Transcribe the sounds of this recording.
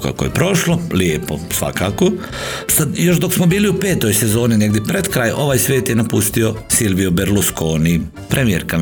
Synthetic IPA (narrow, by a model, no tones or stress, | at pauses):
ka̰kojepɾo̞ʃloliepo̰sʋa̰kako | sad̪jo̞ʃd̪oksmobiːliupe̞ːt̪o̞jse̞zo̞ːnine̞ɡd̪jepɾed̪kɾaːjʔo̞ʋaːjsʋʲje̞ːt̪jenapust̪iosilʋiobeɾluskoːni | pɾʔemijḛɾka